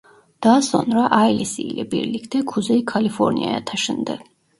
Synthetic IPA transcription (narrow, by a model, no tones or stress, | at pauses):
d̪̥aːsɔ̰nɾaʔailisiːlɛbḭɾlikʰd̪ɛkʰuzɛikʰalifɔ̰ɾnḭa̰ɛt̪ʰaʃɛnd̪ɛ